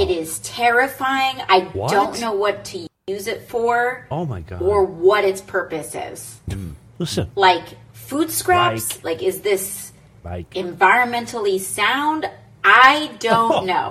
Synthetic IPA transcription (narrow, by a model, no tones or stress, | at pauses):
ɪɾɪz̥tʰɛɹɨfaɪɪ̃ŋa̰ɪdõʊ̃nːoʊwʌtʰɨjʉzɪtfə˞omɪə˞wʌɾɨtspʰɜ˞pɨsɪ̰z̥ | laɪk | fud̥skɹæpslaɪkɨzðɪs | ɨ̃ɱvaɪɹɨ̃nmɛ̃ntʰl̩ˠisãʊ̃nd | aɪdõʊ̃nnoʊ